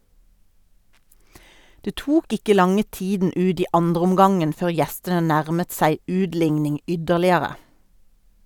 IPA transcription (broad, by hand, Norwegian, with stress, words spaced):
ˈdeː ˈtuːk ˈɪkə ˈlɑŋə ˈtiːdn̩ ˈʉːd ˈiː ˈɑndʁəʊmˌɡɑŋən ˈføːʁ ˈjɛstənə ˈnæʁmət ˈsæɪ ˈʉːdˌlɪŋnɪŋ ˈʏdəʁlɪəʁə